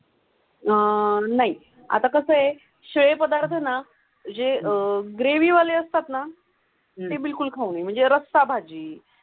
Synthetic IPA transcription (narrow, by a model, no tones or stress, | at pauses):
ənaɦi | a̰t̪akəsəɦe | ɕʋepəd̪aɾt̪ʰəna | d͡ʑeɡɾeʋiːʋaleəst̪at̪na | t̪ebilkulkʰauniːm̤əɳd͡zeɾəst̪abʱad͡ʑiː